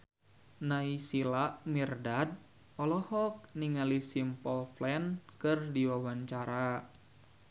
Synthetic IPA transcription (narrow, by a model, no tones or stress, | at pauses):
naisilaʔmirdad̚ | ɔlɔhɔk̚niŋalisimpɔlflɛnkɨrdiwawaɲt͡ʃaɾa